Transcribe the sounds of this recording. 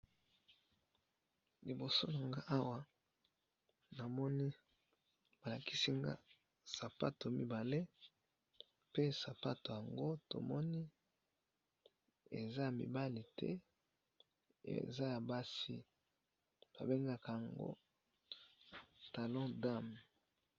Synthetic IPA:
li˨bo˨so˦na˨ŋɡa˦ʔa˦wa˦ | na˨mɔ˦ni˦ | ba˨la˨ki˦si˦ŋɡa̰˦ | sa˨pa˦to˨mi˦ba˨le˦ | pe˦sa˨pa˦to˨ja˨ŋɡo˦to̰˨mɔ˦ni˦ | ḛ˨za˦ja˨mḭ˨ba˦li˨tʰɛ̰˦ | ḛ˨za˦ja˨ba˦si˦ | ba̰˨be˦ŋɡa˦ka˨ja˨ŋɡo̰˦ | ta˨lɔ̃˦da˦m

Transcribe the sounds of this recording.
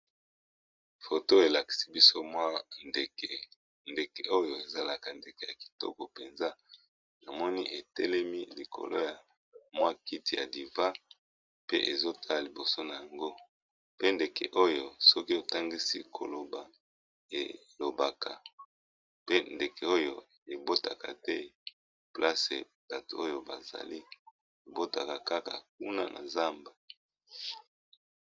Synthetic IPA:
fo˨to˦e˨la˨ki̥˨si̥˦bi˦so˦mwa˦nde˨ke˨ | nde˨ke˨o˦jo˦e˨za˦la˨ka˨nde˨ke˨ja˨ki̥˨tɔ̰˦kɔ˨pe˨nza˦ | na˨mɔ˦ni˦ʔe˨tɛ˦lɛ˦mi˦li˨kʰo̰˨lo̰˦ja˨ | mwa˦ki˦ti˨ja˨di˨va˦ | pe˦ʔe˨zo˦tʰa˦a˨li˨bo˨so˦na˨ja˨ŋɡo˦ | pe˦nde˨kḛ˨ʔo˦jo˨sɔ˦ki˦o˨ta˦ŋɡi˦si˦kʰo̰˨lo˨ba˨ | e˨lo˨ba˨ka˨ | pe˦nde˨ke˨o˦jo˦˨ | e˨bo˦ta˨ka˨tɛ˦ | pla˦sḛ˨ | d̥a˨to˨o˦jo˦ba˨za̰˨li˦ | e˨bo˦ta˨ka˨ka˦ka̰˨k̚u˦na˦nʔa̰˨za˦mbe˨

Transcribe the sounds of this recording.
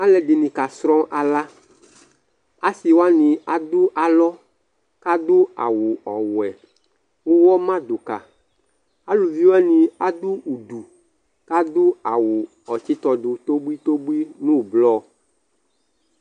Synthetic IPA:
a˦lɛ˨ɖi˨nĩ˨ka˨sɾɔ̃˦ʔa˨la˦ | a˦si˨wa˦nĩ˨a˨d̪u˦ʔa˨lɔ˦ | ka˦d̪u˦a̰˨wu˨ɔ˨wɛ˨ | wo˦wɔ˦mã˦do˨ka̰˨ | a˦lu˨vi˦wa˦nĩ˨a˦d̪u˦u˨ɖu˨ | ka˦d̪u˦a˨wu˨ | ɔ˨t͡ʃi˦t̪ɔ˨ɖu˨t̪o˦bu˦i˦t̪o˦bu˦i˦nũ˦blɔ˦

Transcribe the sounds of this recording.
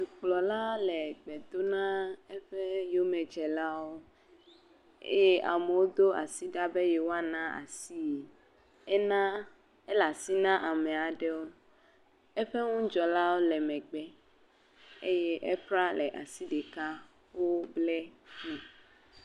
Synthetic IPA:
su˨k͡plɔ˨la˦lɛ˨ɡ͡bɛ˨d̪o˦nã˦e˦ɸe˦jo˦mɛ˨d͡ʒɛ˨la˦wo˦ | ḛ˦e˦ʔa̰˨me˨wo˦d̪o˦a̰˨si˦ɖa˦be˦je˨wo˦a˦nã˦a̰˨si˦˨ | ɛ˦nã˦ | e˦la˨si˦nã˦ʔa˨mɛ˨a˨ɖɛ˦wo˦ | e˦ɸe˦ŋũ˦d͡ʒɔ˨la˦wo˦lɛ˨mɛ̃˨ɡ͡bɛ˦ | e˦jɛ˦ʔɛ˦k͡pɾa˦lɛ˨ʔa˨si˦ɖe˨ka˦ | wo˦blɛ˦ti˦

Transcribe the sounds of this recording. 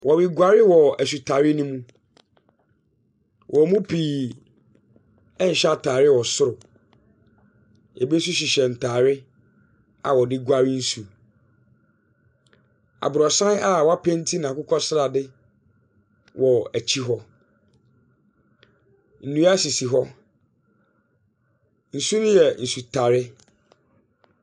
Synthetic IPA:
wʔɔ˨wi˦ɡʷa˨ɾɪ˦wɔ˨æ˨s̬u˨tʰa˨ɾɪ˦nũ˦mũ˦ | wʔɔ˨mũ˦pʰiː˨ | ɛ˦n̩˨ɕa˦tʰaː˨ɾɪ˦˨wɔ˨sʊ˦ɾʊ˨ | ɛ˨be˦s̬u˦ɕ̬i˨ɕɛ˨n̩˨tʰaː˨ɾɪ˦ | a̰˨wɔ˨dɪ˦ɡʷa˦ɾɪ˦n̩˦su˨ | a̰˨bʊ˨ɾɔ˨sã˦n˦a˨wa˦pʰɛ̃˦n̩˦tʰi˦nã˨kʊ˦kʰɔ˦sɪ˦ɾa˨dɪ˦ | wʔɔ˨æ˨t͡ɕʰi˦ɦɔ˦ | n̩˨nũ˦a˦ɕi˨si˨ɦɔ˦ | n̩˨su˦nʊ̃˦jɛ˨n̩˨su˨tʰa˨ɾɪ˦

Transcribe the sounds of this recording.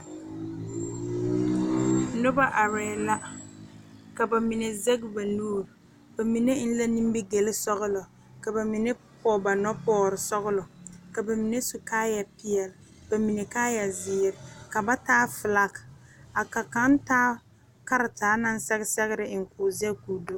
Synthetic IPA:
nʊ˦ba˦ʔa˨ɾɛː˨la˦ | ka˨ba˨mi˨nɛ˨zɛ˦ɡba˨nuː˦˨ɾ | ba˨mi˨nɛ˦n̩˦la˦ni˦m˦bɪ˦ɡe˨lɪ˦sɔ˦ɣʊ˦lɔ˨ | ka˨ba˨mi˨nɛ˦ | pɔː˦ba˨nɔ˦pɔː˦ɾɪ˨sɔ˦ɣʊ˦lɔ˨ka˨ba˨mi˨nɛ˦su˨kaː˦ja˨pɪ˦ɛ˨l | b̥a˨mi˨nɛ˨kaː˦ja˨zɪː˨ɾɪ˨ka˨ba˦taː˦fɪ˨la˦ka˨ka˨ka˦n˦taː˦ | ka˦ɾɪ˨taː˨˦na˦n˦sɛ˦ɣɪ˦sɛ˦ɣɪ˦ɾɪ˨ɪ˨ŋ̩˨kʊ˨zɛ˦kuː˨do˦

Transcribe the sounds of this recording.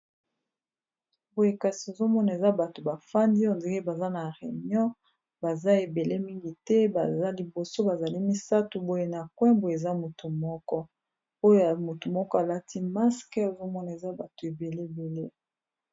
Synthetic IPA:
bo˨je˦ka˨si˨o˨zo˦mɔ˦na˨e˨za˦ba˨to˨ba˨fa˦ndi˦ɔ˨nde˨ke˦ba˨za˦na˨ʁe˨ɲɔ̃˦ | ba˨za˦e˨be˨le˦mi˦ŋɡi˨tɛ˦ba˨za˦li˨bo˨so˦ba˨za˨li˦mi˦sa˦tu˨bo˦je˦na˨kwɛ̃˦bo˨e˨za˦mo˨tʰu˨mɔ˦kɔ˦ | o˦jo˦a˨mo˨tu˨mɔ˦kɔ˦a˨la˦ti˦ma˦skɛ˦o˨zo˦mɔ˦na˨e˨za˦ba˨to˨e˨be˨le˦˨be˨le˦

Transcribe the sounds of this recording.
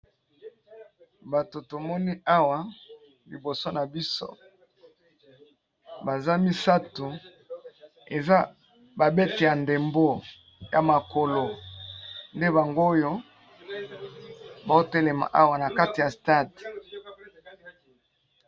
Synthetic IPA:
ba˨to˨to˨mɔ˦ni˦ʔa˦wa˨ | li˨bo˨so˦na˨bi˦so̰˦ | ba˨za˦mi˦sa˦tu˨ | e˨za˦ | ba˨be˦te˨ja˨nde˨mbo˦˨ | ja˨ma˨ko˨lo˨ | nde˦ba˨ŋɡo˦jo˦ | ba˨o˦te˦le˨ma̰˨ʔa˦wa˨na˨ka˦ti˨ja˨sta˦d

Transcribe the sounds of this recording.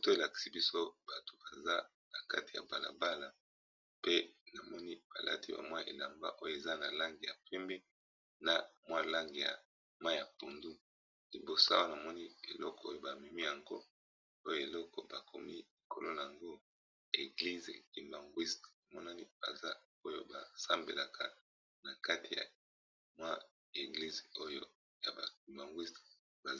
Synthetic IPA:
o˦to˦e˨la˨ki̥˨si˦bi˦so˦b̥a˨to˨ba˨za˦ | na˨ka˦ti˨a̰˨ba˨la̰˨ba˦la˨ | pe˦na˨mɔ˦ni˦b̥a˨lʔa̰˦ti˦ba̰˨mwa˦ʔḛ˨la˨mba̰˦ʔo˦jo˦˨e˨za˦na˨la˦ŋɡi˨ja̰˨pɛ˦mbɛ˦ | na˨mwa˦la˦ŋɡe˨ja̰˨ | ma˦˨ja˨po˨ndu˦ | li˨bo˨sa˦o˦jo˦na˨mɔ˦ni˦e˨lɔ˦kɔ˨o˦jo˦ba˨mi˨mi˦ja˨ŋɡo˦ | o˦jo˦˨e˨lɔ˦kɔ˨ba˨kʰo̰˨mi˦i˨kʰo˨lo˦na˨a˨ŋɡo˦ | e˨ɡli˦ze˨ki˨mba˨ŋɡwi˦stmɔ˦na˦ni˦b̥a̰˨za˦ | o˦jo˦ba˨sa˦mbḛ˨la˨kʰa̰˨ | na˨ka˦tʰi˨ja̰˨ | mwa˦ | e˨ɡli˦zo˦jo˦ | ja˨ba˨k̚i˨mba˨ŋɡwi˦st | ba˨

